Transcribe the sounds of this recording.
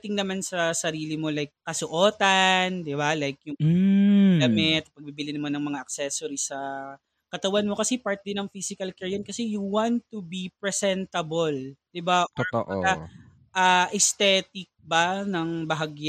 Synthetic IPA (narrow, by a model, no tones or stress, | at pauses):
t̪ɪŋnɐmansɐsɐɾiːlɪmo̞lajk̚ːɐsʊʔoːt̪ɐnd̪ɪbalajk̚jʊŋ | ɡɐmɛt̪̚pɐɡ̚bibɪlɪnɐmonɐŋmɐŋaʔɐk̚sɛsoɾisɐ | kɐt̪ɐwanmo̞kɐsɛpaɹt̪̚d̪ɪnɐŋfisɪkɐlkɛɹjɐnkɐsɛjuwant̪ubipɹɛsɛnt̪ɐbold̪̥ɪbat̪o̰ʔɐ | ʔaːʔɛst̪ɛːt̪ɪk̚banɐŋbɐɦaɡja